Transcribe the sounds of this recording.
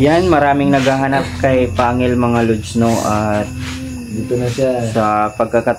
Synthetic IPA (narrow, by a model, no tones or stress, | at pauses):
janmɐɾaːmɪŋnɐɡaɦɐnap̚kɐjpaːŋɪlmɐŋalʊdsnoʔɐt̪̚ | d̪iːt̪onɐʃasɐpɐɡ̚kɐkɐt̪